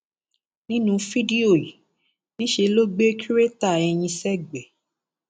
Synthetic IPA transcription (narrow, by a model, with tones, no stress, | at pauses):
nĩ˦nũ˧fi˦di˦o˦˨ji˨ | nĩ˦ʃe˧lo˦ɡ͡be˦kʰi˦ɾe˦ta˦˨ɛ˧j̃ĩ˧sɛ˦ɡ͡bɛ˨